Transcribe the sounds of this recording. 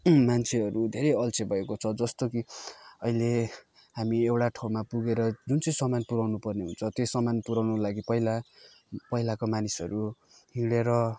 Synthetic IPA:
mant͡sʰeɦʌɾud̪ʱeɾʌjʌlt͡sʰebʱʌekot͡sʰʌd͡zʌst̪okiʌile | hamiewɽaʈʰawmapuɡeɾʌd͡zunt͡sʌj̃sʌmanpuɾawnupʌrneɦunt͡sʰʌt̪jesʌmanpuɾawnolaɡipʌɦila | pʌɦilakomanisʌ̰ɾu | ɦiɽeɾʌ

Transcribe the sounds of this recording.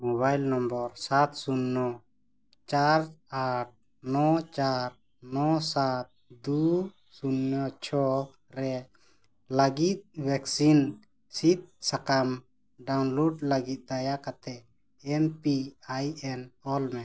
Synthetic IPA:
mɔbajlnɔmbɔɾsat̪̚sunːɔ | t͡ʃaɾaʈ̚ | nɔt͡ʃaɾ | nɔsat̪̚d̪u | sunːɔt͡ʃʰɔ | ɾɛ | ləɡit̪̚bɛksin | sit̪̚sakam | ɖawnloɖləɡit̪̚ˀd̪ajakat̪ɛ | ɛmpiajɛnɔlmɛ

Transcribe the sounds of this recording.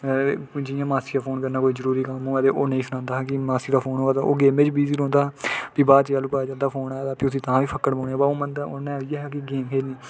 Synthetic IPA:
d͡ʒɪjãːmaːsiːd̪aːpʰoːnkəɾnaːkoːiːzəɾuːɾiːkəmɦõːɛd̪eːʔoːnəĩːsənãːnd̪aːɦkɪmaːsiːd̪aːpʰoːnoːaːt̪aːo̰ːɡeːmeːt͡ʃbiːziːɾõːnd̪aːpiːbaːt͡ʃaːluːpaːd͡ʒãnd̪aːpʰoːnaːjd̪aːpiːʊsĩːt̪əɦãːʋiːpʰəkəɽmãːneɛːbaoːmənd̪aːoːnɛ̃ːijeːɦɛːkɪɡẽːkeːnĩː

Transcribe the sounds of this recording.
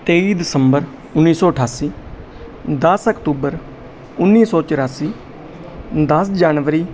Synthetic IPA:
t̪eːid̪ɪsəmbəɾ | ʊnːiːsɔːəʈʰaːsiː | d̪əsəkʈuːbəɾ | ʊnːiːsɔːt͡ʃəɾaːsiː | d̪əsd͡ʒaːnʋəɾiː

